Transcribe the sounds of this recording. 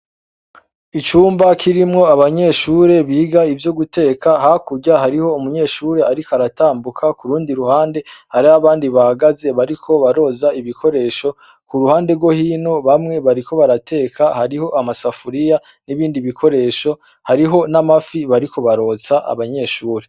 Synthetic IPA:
it͡ʃuːmbakʰiɾimŋo̞aβaɲe̞ʃuːɾe̞βiːɡaivjo̞ɡute̞ːkʰahakuɟahaɾiho̞umuɲe̞ːʃuːɾe̞aɾikaɾataːmbukʰakuɾuːndiɾuhaːnde̞haɾiaβaːndiβahaɡaze̞βaɾikʰo̞βaɾo̞ːzaiβikʰo̞ɾe̞ːʃo̞ | kuɾuhaːnde̞ɡwo̞hiːno̞βamŋe̞βaɾiko̞βaɾatʰe̞ːkʰahaɾiho̞ʔamasafuɾija | niβiːndiβikʰo̞ɾe̞ːʃo̞ | haɾiɦo̞namafiβaɾiko̞βaɾo̞ːt͡saʔa̰βaɲe̞ʃuːɾe

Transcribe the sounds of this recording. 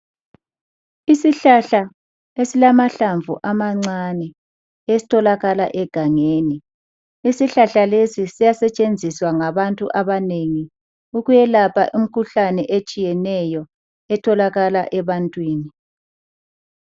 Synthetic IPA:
isiɬaɬa | esilamaɬaɱvuʔamaŋ͡ǀanɛ | esi̥tʰɔlaɣala̰ʔɛɡ̥ʱaŋeːni | isiɬaɬalesisijasɛt͡ʃʼend͡zʱiswaŋaβantʼṵʔaβaneŋi | uɣujɛlapʰa̰ʔim̩kʰuɬanɛʔet͡ʃʼijɛnɛjɔ | ɛtʰɔlaɣala̰ʔɛβantʼwiːni

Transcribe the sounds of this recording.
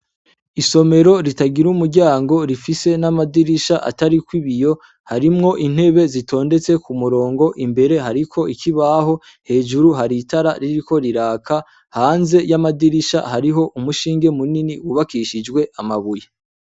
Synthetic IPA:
iso̞me̞ɾo̞ɾitaɡiɾumuɟaːŋɡo̞ɾifise̞namadiɾiʃaʔa̰taɾikwiβijo̞ | haɾimŋo̞ʔin̥he̞βe̞zito̞ːnde̞t͡se̞kumuɾo̞ːŋɡo̞ʔimbe̞ɾe̞ɦaɾikʰo̞ikʰiβaɦo̞ | he̞ːʒuɾuɦaɾitaɾaɾiɾiko̞ɾiɾaːkʰa | haːnze̞jamadiɾiʃa̰haɾiɦo̞ʔumuʃiːŋɡe̞muniniwuβakiʃid͡ʒɡwe̞ʔamaβuja

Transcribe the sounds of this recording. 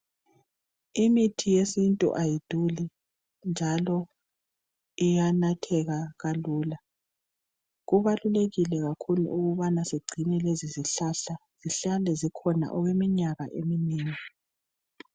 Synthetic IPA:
imitʰijesintʼṵʔajid̥ʱuli | nd͡ʒʱalɔ | ijanatʰɛɣaɣaluːla | ɣuβaluleɣilɛɣakʰulṵʔuɣuβanaseɡ͡ǀʱinɛleziziɬaɬaz̥iɬalɛzikʰɔna̰ʔɔɣwemiɲaɣaʔeminiːŋi

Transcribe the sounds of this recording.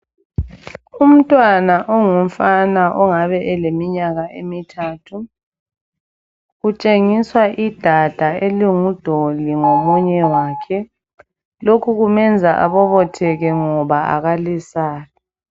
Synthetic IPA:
um̩tʼwanaʔɔŋum̩fanaʔɔŋaβɛʔɛlemiɲaɣaʔemitʰaːtʰu | ɣut͡ʃʼeŋiswaʔid̥ʱad̥ʱaeliŋud̥ʱoliŋomuɲɛwaːkʰɛ | lokʰuɣumɛnd͡zʱaʔa̰βɔβɔtʰɛɣɛŋɔβaa̰ɣalisaːlɔ

